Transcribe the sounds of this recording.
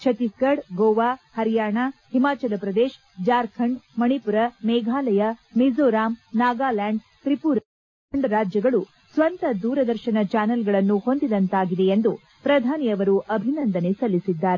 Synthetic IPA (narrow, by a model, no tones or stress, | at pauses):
t͡ʃʰɐt̪ikɐɽɡoːʋaːhɐɾijaːɳahimaːt͡ʃɐlɐpɾɐd̪eːʃ | d͡ʒaːɾkʰɐɳɖmɐɳipuɾɐmɛːɡʱaːlɐjɐmizoːɾaːmnaːɡaːlaːɳɖ | t̪ɾipuɾ | ɳɖɾaːd͡ʒjɐɡɐɭu | sʋɐnt̪ɐd̪uːɾɐd̪ɐɾʃɐnɐt͡ʃaːnɐlɡɐɭɐnːuho̞nd̪id̪ɐnt̪aːɡid̪e̞end̪u | pɾɐd̪ʱaːniɐʋɐɾuʔɐbʱinɐnd̪ɐnesɐlːisid̪ːaːɾe